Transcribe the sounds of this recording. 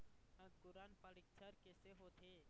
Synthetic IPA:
ə̃kʊɾanpəɽik̚t͡ʃʰəɾkeseɦoːt̪ʰe

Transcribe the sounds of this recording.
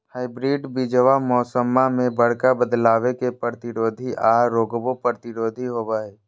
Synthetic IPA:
haːɪbɾiːɖbid͡ʒəʋamɔːsəmːamẽbəɽ̤kabəd̪laːwekepəɾət̪ɪɾoːd̪ʱiʔaːɾoːɡbopəɾət̪ɪɾoːd̪ʱiɦobaːeː

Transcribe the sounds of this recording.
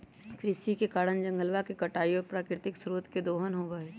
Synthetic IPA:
kʰɾɪsikekaːɾənd͡ʒɐ̃ŋɡəlʋakekɐʈaːioːɾpɾaːkɾɪt̪ɪksɾoːt̪ked̪oːɦənɦoːʋəeː

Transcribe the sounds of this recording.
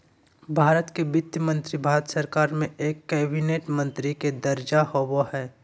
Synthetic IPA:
bʱaːɾət̪kebɪt̪jəmə̃nt̪ɾibʱaːɾət̪səɾkaːɾmẽeːkːɛːbineːʈmə̃nt̪ɾiked̪ɐɾd͡ʒahowohɛː

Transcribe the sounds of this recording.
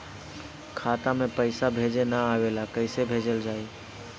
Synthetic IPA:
kʰat̪amẽpəɪsabʱed͡ʒenəaʋelakəɪsebʱed͡ʒəld͡ʒaːi

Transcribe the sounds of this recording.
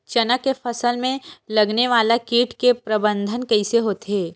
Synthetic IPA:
t͡ʃɐnəkːefʰɐsəlmẽlɐɡneʋaːlakiːʈkepɾɐbə̃nd̪ʱənkɛɪseɦoːt̪ɦeː

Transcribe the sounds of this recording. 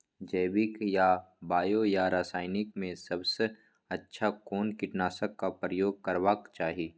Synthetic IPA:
d͡ʒeːbɪkjabaːjojaɾaːsaːɪnɪkmẽsɐbse | ɐtːʃʰakoːnkɪʈnaːsəkːapɾəjoːɡ̚kɐɾwaːkt͡ʃaːɦiiː

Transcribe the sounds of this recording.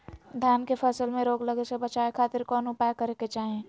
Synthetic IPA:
d̪ʱjankepʰəsəlmeɾoɡləɡesebət͡ʃaekʰat̪ɪɾkɔnupajkəɾeket͡ʃaɦẽ

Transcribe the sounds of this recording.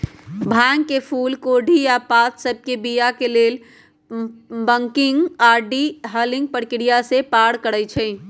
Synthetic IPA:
bʱaŋɡkːepʰulkoɖʱijapat̪səb̚kebijakelel | bəŋkiŋɡaɖiɦəlĩŋɡ̚pəɾkiɾijasepaɽkəɽət͡ʃʰɛɪ

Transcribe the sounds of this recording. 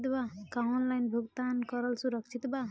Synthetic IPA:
t̪bakanlajnbʱuɡt̪ankɔɾɔlsuɾʌkt͡ʃʰit̪ba

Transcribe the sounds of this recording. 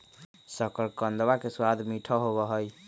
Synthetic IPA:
səkəɾkənd̪wakeswad̪ʱmiʈʰəɦoβəɦəj

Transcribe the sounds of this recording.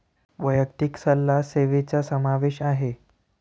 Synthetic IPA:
ʋəjək̚t̪iksəlːaseʋet͡sasəmaʋeɕaɦe

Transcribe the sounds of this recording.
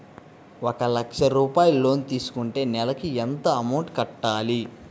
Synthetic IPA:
ɔkɐlɐkʂɐɾuːpaːjullːo̞ːnit̪iːsu̥kuɳʈe̞ːnɛlɐkiɛnt̪ɐɐmɐwʈkɐʈːaːli

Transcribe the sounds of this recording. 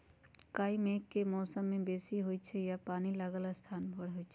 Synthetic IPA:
kaːimeːkːemɔːsəmːẽbeːsiɦoːit͡ʃʰejapaːnilaɡalast̪ʰaːnbʱəɽɦoːit͡ʃʰe

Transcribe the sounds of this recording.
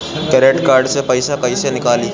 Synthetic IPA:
kəɾeʈkaɾɖsepəjsakəjsenɪkali

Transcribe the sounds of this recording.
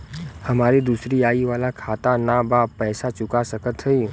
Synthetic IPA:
hɐmaːɾid̪uːsɾiaːiʋaːlakʰaːt̪anabaːpɛːsat͡ʃʊkasəkət̪ɦɛiː

